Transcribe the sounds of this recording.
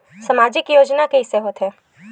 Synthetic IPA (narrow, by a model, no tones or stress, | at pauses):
səmad͡ʒɪkjoːd͡ʒnakeɪseɦoːt̪ɦɛː